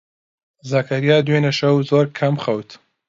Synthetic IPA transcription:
zaːkʰɐɾijaːd̪wenɐʃɐwzoːɾkʰɐmχɐwt̪ʰ

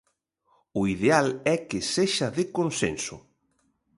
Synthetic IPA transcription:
ʊiðealɛkɪseʃaðɪkonsḛnsʊ̰

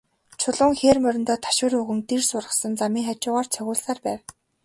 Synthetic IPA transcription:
t͡ɕʰʊɮʊːŋxeːrmœɾʲɪ̆nt̪ɔːt̪ʰḁʃʊːɾɵɣɵ̆ŋt̪irsʊrʁə̆sə̆nt͡samiːŋχat͡ɕʊːʁaːrt͡sʰœɣʲʊːɮsaːrpæːw

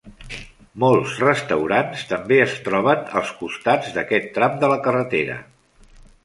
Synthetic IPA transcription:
molˠzrəst̪əwɾanst̪əmbeəst̪ɾɔβ̞ənə̰lˠskust̪ad͡zd̪əkɛt̪ːɾamd̪ələkərət̪eɾə̰

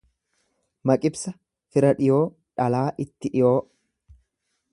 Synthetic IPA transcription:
mɐkʼɪbsɐ | fɪɾɐᶑɪjo̞ː | ᶑɐlaːʔɪt̪ːɪᶑɪjo̞ː

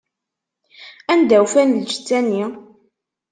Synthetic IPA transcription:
ænd̪æwfænld͡ʒt͡sːænːi

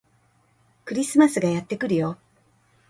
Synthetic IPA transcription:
kɯ̟ɾʲisɨmasɨɡajat̪ːe̞kɯ̟ɾɯ̟jo

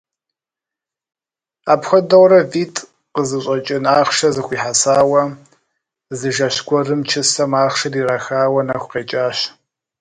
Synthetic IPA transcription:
a̰ːpxʷɔdɐwrɐviːtʰʼ | qəzɨɕʼɐt͡ʃʼɪnaːχʃɐzɨxʷiːħasaːwɐ | zɨʒɐɕɡʷɔrɨmt͡ʃʰɪsɐmaːχʃɨriːrɐxaːwɐnɐxʷqeːt͡ʃʼaːɕ

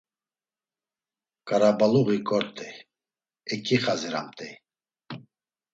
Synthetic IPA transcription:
kʼaɾabaluɣikʼɔɾt̪ʼɛ | ɛkʰʼiχaziɾa̰mt̪ʼɛ

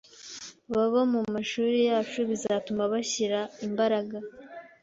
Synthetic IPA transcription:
βaβamumaʃuːɾijaːt͡ʃuβizatumaβaçiɾaimbaɾaɡa

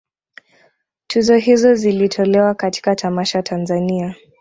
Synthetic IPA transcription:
tʰuzɔɦizɔzilitʰɔlɛwakati̥katʰamaʃatʰanzania

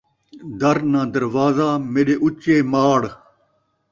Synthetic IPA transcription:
d̪ɐɾnãːd̪ɐɾʋaːzaːmeɗeːʔut͡ɕeːmaːɽ

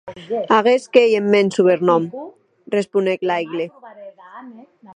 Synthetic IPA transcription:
aɣeskejemːensuβeɾnɔm | respuneklajɣle

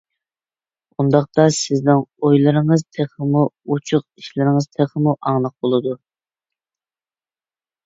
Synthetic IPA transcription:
und̪ɑχt̪ɑsɪznɪŋojlˠɨɾɨŋəzt̪ʰeχəmuut͡ʃʰʊqiʃlɪɾɪŋəz̥t̪ʰeχəmuʔɑŋlˠəq̚bolˠɨd̪u

